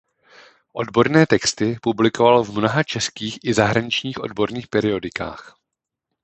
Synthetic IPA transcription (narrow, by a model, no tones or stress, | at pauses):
ʔo̞dbo̞ɾnɛːt̪ɛkst̪ɪpublɪko̞valovmno̞ɦat͡ʃɛskiːxʔɪzaɦɾaɲɪt͡ʃɲiːxʔo̞̰dbo̞ɾniːxpɛɾɪo̞dɪka̰ːx